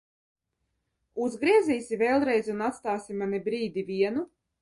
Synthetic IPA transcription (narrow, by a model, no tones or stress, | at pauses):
uzɡɾiɛziːsʲivɛːlˠɾɛjzʲunat̪st̪aːsʲimanibɾiːd̪ʲivʲiɛnu